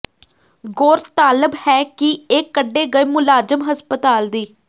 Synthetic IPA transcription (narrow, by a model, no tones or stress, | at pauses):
ɡoːɾt̪aːləbhɛːkieːkːəɖːeːɡəimʊlaːd͡ʒəmɦəspət̪aːld̪iː